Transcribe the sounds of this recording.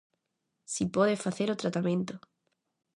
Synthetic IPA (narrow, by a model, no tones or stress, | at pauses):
sipoðefaθeɾot̪ɾat̪amẽnt̪o